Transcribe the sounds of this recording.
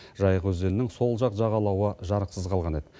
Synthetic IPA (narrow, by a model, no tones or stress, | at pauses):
ʒɑjəʁwɵzelɪnɪŋso̞lˠʒɑqʒɑʁɑlˠɑwəʒɑɾəqsəzqʰɑlˠʁɑne̞d̪ɪ